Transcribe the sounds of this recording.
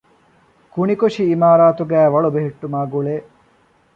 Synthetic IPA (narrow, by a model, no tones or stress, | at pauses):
kuɳikoʂiːmaːɾaːt̪uɡæːʋɐɭubeɦeʈːumaːɡuɭeː